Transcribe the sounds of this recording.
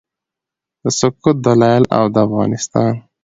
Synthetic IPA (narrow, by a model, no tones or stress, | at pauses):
d̪̥əsʊkut̪̚d̪alɑɪla̰wd̪əafɣɑ̰ːnɪst̪ɑːn